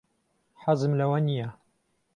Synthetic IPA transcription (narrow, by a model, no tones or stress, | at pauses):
ħazɨmlɐwɐnija